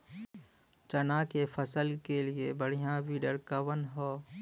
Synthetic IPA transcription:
t͡ʃənaːkefʰəsəlkeliebəɽ̤ijãʋiɖəɾkəʋənɦoː

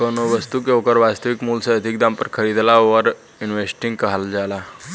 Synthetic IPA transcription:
kənoʋəst̪ukeokəɾʋast̪əʋikmuːlseəd̪ʱik̚d̪ãmpəɾkʰəɾiːd̪laʋəɾ | inʋesʈĩŋɡkəɦald͡ʒala

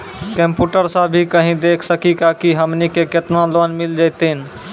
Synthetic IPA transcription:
kə̃mpuːʈəɾsabʱikəɦĩd̪eːkʰsəkikakiɦəmnikeket̪nãloːnmɪld͡ʒaːɪt̪eɦɪn

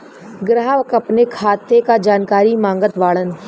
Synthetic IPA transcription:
ɡɾaːʋkəpnekʰaːt̪ːekad͡ʒaːnkaːɾimãːŋɡət̪ʋaːɭən

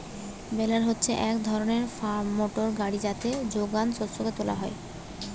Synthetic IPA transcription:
belaɾɦotːɕʰeʔɛkd̪ʱɔɾoneɾfamoʈoɾɡaɽid͡ʑat̪ed͡ʑoɡansot̪ʃoɡet̪ola̰ɦɔe

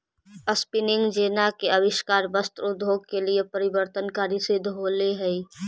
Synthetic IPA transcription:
əspɪnɪ̃ŋɡd͡ʒeːnakeɐwɪʃkaːɾbəst̪ɾʊd̪ʱːoːɡ̚keliepɐɾɪwəɾt̪ənkaːɾisɪd̪ʱɦoːleɦɛi

